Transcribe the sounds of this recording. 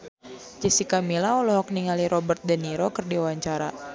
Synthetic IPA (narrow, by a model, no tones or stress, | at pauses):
d͡ʒisikamilaulɔɦɔk̚niŋaliɾɔbərt̪̚dəniɾokɨrdiuwaɲt͡ʃaɾa